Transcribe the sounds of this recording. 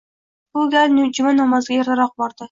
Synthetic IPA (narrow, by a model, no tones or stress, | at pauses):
b̥ʊɡʲalnd͡ʒʊmanɒmɑzɡʲajaɾt̪ʰaɾɒq̚bɒɾd̪ɪ